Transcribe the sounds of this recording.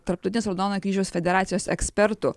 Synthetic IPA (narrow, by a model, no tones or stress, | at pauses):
t̪ɐɾpt̪ɔʊt̪ʲɪnʲeɛsɾɐd̪oːnokʲiːʒʲɛʊsfʲɛd̪ʲɛɾɑːt̪sʲɪjoːsɛksʲpʲɛɾt̪ʊ